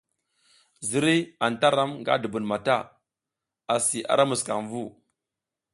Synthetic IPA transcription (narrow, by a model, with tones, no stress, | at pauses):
zi˦ɾi˦a˨nta˦ɾa˦mŋɡa̰˦də˨bu˨nma˨ta̰˦˨ | a˨si˨ʔa̰˨ɾa˦mu˨ska̰˨ŋvu˦˨